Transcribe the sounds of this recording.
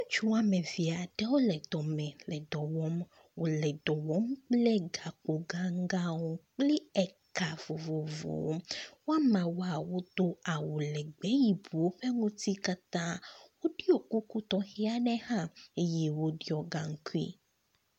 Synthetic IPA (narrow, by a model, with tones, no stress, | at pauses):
wõ˦t͡ʃu˦a˨mɛ̃˨vi˨a˨ɖɛ˦wo˦lɛ˨d̪ɔ˨mɛ̃˨lɛ˨d̪ɔ˨wɔ˦m | wo˨lɛ˨d̪ɔ˨wɔ˦mk͡plɛ˦ɡa˨k͡po˨ɡa˦ŋ˦ɡa˦wo˦k͡pli˦ɛ˨ka˨vo˨vo˨vo̰˨wo̰˦wo˦a˦mã˨wo˦a˨wo˦d̪o˦a˨wo˨lɛ˨ɡ͡bɛ˦ji˨bu˨wo˦ɸɛ˦ŋũ˦t̪i˦ka˦t̪ã˦wo˦ɖi˦o˨ku˦ku˦t̪ɔ˦xi˦a˦nɛ˦hã˦e˦jɛ˦wo˦ɖi˦ɔ˨ɡa˨ŋ̩˦ku˦ḭ˦